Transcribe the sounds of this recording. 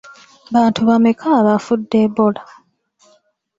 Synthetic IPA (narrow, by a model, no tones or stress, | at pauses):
βaːntuβamekʰaβafudːebola